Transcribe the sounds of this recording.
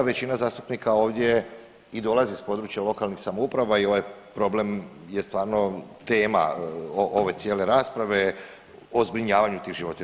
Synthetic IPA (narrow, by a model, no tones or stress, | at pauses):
ʋe̞t͡ɕinazaːst̪u̥pnikao̞ːʋd̪ʲje̞ | id̪o̞lˠazispo̞d̪ɾut͡ʃjalo̞kalnixsamoupɾaʋaio̞ʋajpɾo̞ble̞m | jest̪ʋaːɾno̞t̪e̞ːma̰oʔoʋe̞t̪sjeːle̞ɾaːspɾaʋe̞ | ozbɾiɲaːʋaɲut̪iːɣʒiʋo̞t̪i